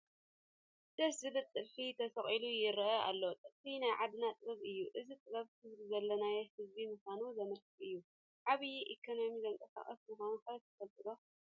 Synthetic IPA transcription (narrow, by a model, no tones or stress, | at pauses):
d̪̥ɐszɨbɨlt̪ʼːɨlfit̪ʰɐsɐχʼilujɪɾʔɐa̰lːo̞t̪ʼɨlfinajʕad̪nat̪ʼɨβɐβɨjːuʔɨzit̪ʼɨβɐβhʰɨzbizɐlːɐnajɛhɨzbimuxʷanuzɐmɐɾtʰɨɨjːu | ʕaβɨjiʔikʰono̞mizɐŋkʼɐsa̰χʼɐ̰smɨxanɐħɾɐt̪ʰɐ̥fɐlt̪ʼɨlo